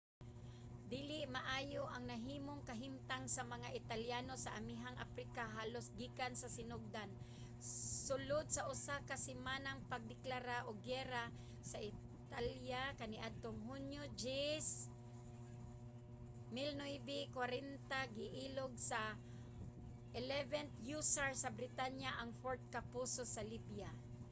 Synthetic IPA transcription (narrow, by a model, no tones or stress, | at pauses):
d̪iːlɪʔmaʔaːjoʔaŋnɐɦiːmoŋkɐɦɪmt̪aŋsamɐŋaʔɪt̪aljanosaʔamiɦaŋʔa̰pɾikaɦaːlosɡiːkansɐsɪnoɡ̚d̪an | sʊlod̪̚saʔʊsakasɪmaːnaŋpaɡ̚d̪ɪklaɾaʔoɡɛɾa | saʔɪ | t̪aljakanɪʔad̪̚t̪oŋhʊnjod͡ʒis | mɪlnojbɪkwaɾɛnt̪aɡɪʔiːloɡsa | ʔɪlɛvɛnt̪jusaɹsabɾɪt̪anjaʔaŋfoɹt̪̚kapusosalibja